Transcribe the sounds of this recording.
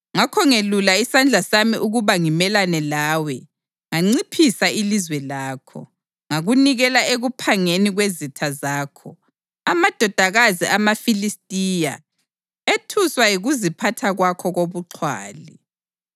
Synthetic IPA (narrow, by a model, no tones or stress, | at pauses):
ŋakʰɔŋelulaisand͡ɮʱasamiʔuɣuβaŋimɛlanɛlaːwɛ | ŋaŋ͡ǀipʰisailizwɛlaːkʰɔ̰ | ŋaɣuniɣɛlaeɣupʰaŋeniɣwezitʰazaːkʰɔ | amad̥ʱɔd̥ʱaɣaziʔamafilistʼiːja | etʰuswajiɣuzipʰatʰaɣwakʰɔɣoβuǁʰwa̰ːli